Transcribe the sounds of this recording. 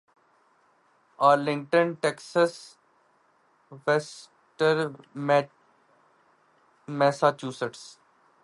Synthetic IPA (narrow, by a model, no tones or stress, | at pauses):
aːɾlɪ̃ŋɡʈə̃nʈɛːksəs | ʋes | ʈəɾ | mɛːsat͡ʃuːsəʈs